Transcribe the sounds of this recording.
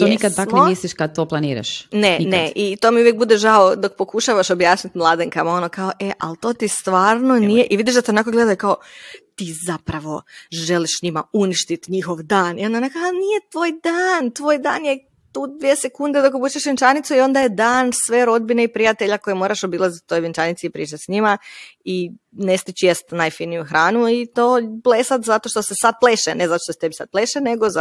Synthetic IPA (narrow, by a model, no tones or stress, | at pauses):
t̪oniskad̪amknoisliʃkad̪̚t̪oːplˠanḭːɾa̰ʃneineʔit̪omiuʋjek̚bud̪e̞ʒaod̪o̞k̚po̞kuʃaʋaʃobjaːt͡ʃnit̪mlˠaːd̪eŋkamao̞nokaoʔe̞ʔa̰lt̪o̞ːt̪ist̪ʋaːɾnonijeʔiʋid̪iʃd̪at̪ionakoɡle̞d̪ajkaot̪iːzapɾaʋo̞ʒe̞liʃɲima̰uniʃt̪it̪ɲixo̞ʋd̪aːnio̞nd̪anekanijet̪ʋoːjd̪aːnt̪ʋoːjd̪a̰ːnje | t̪uːd̪ʋjiese̞kund̪e̞d̪okobuːt͡ʃeʃʋint͡ʃanit̪suio̞nd̪ajed̪aːnsʋe̞ɾo̞d̪̚bine̞ipɾijat̪e̞ʎako̞jemo̞ːɾaʃo̞bilˠazit̪u̥t̪o̞jʋint͡ʃanit̪sipɾiːt͡ʃat̪ʲsɲimai | ne̞st̪it͡ɕjest̪najfinijuxɾaːnuit̪o̞ːbleːsat̪zat̪o̞ʃt̪o̞se̞sad̪̚pleʃene̞zat̪oʃt̪oset̪ebisad̪̚plˠeʃene̞ɡo